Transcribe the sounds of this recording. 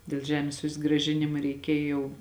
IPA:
dʲeːlˠ ˈʒʲæːmʲeːs sʊzɡrɐˈʒʲɪnʲɪmɐ rʲɛɪˈkʲeːj jɛʊ

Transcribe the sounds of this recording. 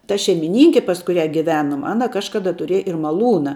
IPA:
tɐ ʃʲɛɪmʲɪˈnʲɪŋʲkʲɪ pɐs kʊˈrʲæː ɡʲɪˈʋʲæːnʊm ˈɑːnɐ ˈkɑːʃkɐdɐ tʊˈrʲiɛj ɪr mɐˈlˠuːnɐ

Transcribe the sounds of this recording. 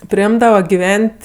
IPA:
pʲrʲɪˈɪmdɐʋɐ ɡʲɪˈʋʲɛnʲtʲ

